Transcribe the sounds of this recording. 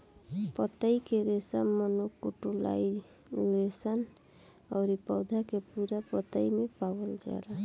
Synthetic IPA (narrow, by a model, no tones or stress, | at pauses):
pət̪aikeɾesamənokuʈula̰i | lesən | ɔːɾipɔʊd̪ʱakepuɾapət̪aimepawəld͡ʒa̰ɾa